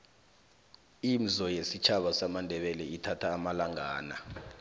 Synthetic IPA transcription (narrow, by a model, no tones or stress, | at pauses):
im̩zɔjesit͡ʃʰaɓasamandʱɛɓɛlɛitʰatʰaːmalaŋaːna